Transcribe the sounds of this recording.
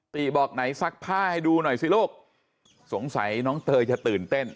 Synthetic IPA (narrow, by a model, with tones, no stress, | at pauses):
t̪iː˨˩bɔː˨˩k̚na˩˦jsa˦˥k̚pʰaː˥˩ha˧˩jduː˧nɔ˨˩jsi˧˦loː˥˩k̚ | so˨˩˦ŋsa̰˩˦jnɔː˦˥ŋt̪ɤː˧t͡ɕa˨˩t̪ɯː˨˩nt̪e˥˩n